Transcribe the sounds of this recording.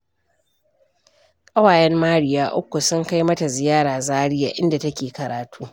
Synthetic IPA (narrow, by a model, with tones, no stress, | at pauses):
kʼɐ˦waː˨jɛ˦mːaː˦ɽɪ˨jaː˦ʔʊ̰˦kʷːu˨sʊ˦ŋka˦jmɐ˦ta˨zɪ˨jaː˦ɽaː˨zaː˦ɽɪ˦ja̰ː˨ʔɪ˦nda˨tɐ˦kʲeː˨kɐ˨ɾaː˨tʰuː˦